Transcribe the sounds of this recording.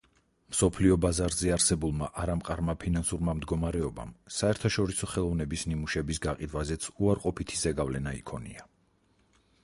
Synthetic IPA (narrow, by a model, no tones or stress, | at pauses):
msɔpʰliɔbazaɾzɛaɾsɛbulˠmaʔaɾamqʼaɾmapʰinansuɾmamd̪ɡɔmaɾɛɔba̰msaɛɾt̪ʰaʃɔɾisɔχɛlˠɔvnɛbisnimuʃɛbisɡaqʼid̪wazɛt̪sʰuaɾqʼɔpʰit̪ʰizɛɡavlɛnaḭkʰɔnḭa